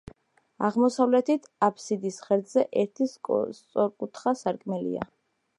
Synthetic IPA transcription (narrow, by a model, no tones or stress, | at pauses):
aʁmɔsavlɛt̪ʰit̪ʰapʰsid̪isχɛɾd̪zɛʔɛɾt̪ʰisʼst̪sʼɔɾkʼut̪ʰχasaɾkʼmɛlḭa̰